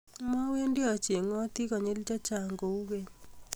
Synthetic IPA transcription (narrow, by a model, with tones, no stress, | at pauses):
mɔ˦we˦ndɪ˦ɔ˨t͡ʃje˨ŋɔ˦t̪i˦kɔ˨ɲe˦lt͡ʃa˦t͡ʃa˨ŋɡo˨u˦ɣe˦